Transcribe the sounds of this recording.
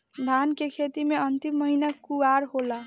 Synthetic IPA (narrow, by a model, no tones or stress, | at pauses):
d̪ʱankekʰet̪imeənt̪imːəɦinakuaɾɦola